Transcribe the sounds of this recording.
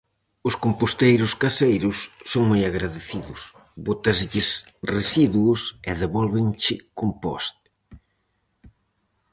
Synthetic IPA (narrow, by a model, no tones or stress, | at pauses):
ʊskompost̪ejɾʊskasejɾʊsːoŋmojaɣɾaðeθiðʊs | βot̪ɐzʎɪs | resiðwuʊsɛðeβɔlβɪ̃ŋt͡ʃɪkompɔ̰st̪